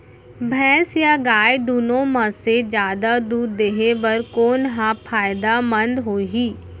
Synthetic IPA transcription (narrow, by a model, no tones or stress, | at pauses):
bʱɛ̃ːsjaːɡaːjd̪uːnõːməsed͡ʒjaːd̪aːd̪uːɾd̪eɦeʋəɾkoːnɦãːpʰaːɪd̪aːmənd̪ɦoːiɦiː